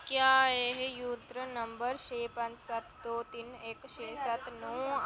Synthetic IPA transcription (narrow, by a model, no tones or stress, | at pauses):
kjaːeɦejuːt̪ɾənɐ̃mbəɾʃeːpɐ̃nt͡ʃsɐt̪ʰd̪oːt̪iːneːkʃeːsɐt̪noː